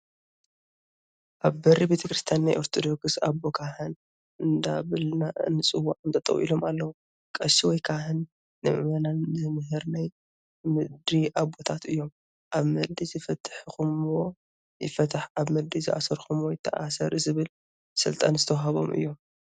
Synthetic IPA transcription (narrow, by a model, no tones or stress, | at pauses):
ʔaβbɐɾːibet̪ʰɐkɾɨst̪ʰjanːajʔoɾt̪ʰod̪o̞ksabːokʰahɨn | ʔɨnd̪aβɨlnaʔɨnːɨsʼɨwːaʕɨnt̪ʰʼɐt̪ʼɐ̰wʔḭlo̞malːɐwu | kʼɐʃiwɔjkʰahɨnː | ɨʔɨ̰mɐnanzɨmɨɦɨɾnaj | mɨd̪ɾiʔabot̪ʰat̪ɨjːo̞m | ʔaβmɐld̪izɨfɐt̪ʰːħxumwo | jɪfɐt̪ʰaħaβmɨd̪izɨʔa̰sɐɾxumwojɪt̪ʰːɐʔasɐɾɨzɨβɨl | sɨ̰lt̪ʼanzɨt̪ʰɐwɦɐβo̞̰mʔɨ̰jːo̞m